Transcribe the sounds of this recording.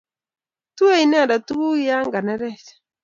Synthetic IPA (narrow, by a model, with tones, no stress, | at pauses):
tu˦e˦i˨nɛ˦˨da˨tu˦u˦ja˦ŋɡa˨nɛ˦ɾɛ˦˨sḁ˨